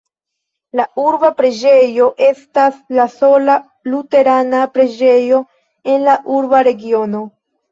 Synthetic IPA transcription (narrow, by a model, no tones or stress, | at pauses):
lauɾbapɾe̞d͡ʒe̞jo̞ʔe̞staslaso̞la | lute̞ɾanapɾe̞d͡ʒe̞jo̞ | e̞nlaʔuɾbaɾe̞ɡio̞no̞